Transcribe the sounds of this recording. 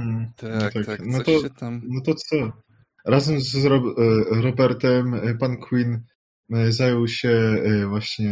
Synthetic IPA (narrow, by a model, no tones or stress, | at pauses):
h̩t̪aknɔt̪ɔnɔt̪ɔt̪sɔ | ɾazɛmzɾɔɾɔbɛɾt̪ɛmpankʰwin | zajɔwɕɛvwaɕɲɛ